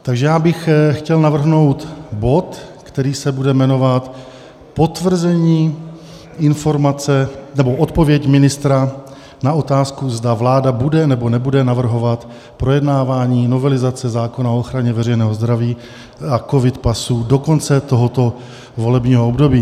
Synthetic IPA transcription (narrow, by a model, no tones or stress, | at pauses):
t̪aɡʒɛjaːbɪxxcɛlnavr̩ɦno̞wt̪bo̞t̪ | kt̪ɛɾiːsɛbudɛmɛno̞vat̪ | po̞t̪vr̩zɛɲiː | ʔɪnfo̞ɾmat͡sɛnɛbo̞ʔot̪po̞vjɛcmɪnɪst̪ɾa | nao̞t̪aːskuzdavlaːdabudɛnɛbo̞nɛbudɛnavr̩ɦo̞vat̪ | pɾo̞jɛdnaːvaːɲiːno̞vɛlɪzat͡sɛzaːko̞naooxɾaɲɛvɛɾɛjnɛːɦo̞zd̪ɾaviː | ako̞vɪt̪pasuːdo̞ko̞nt͡sɛt̪o̞ɦo̞t̪o̞ | vo̞lɛbɲiːɦoobdo̞biː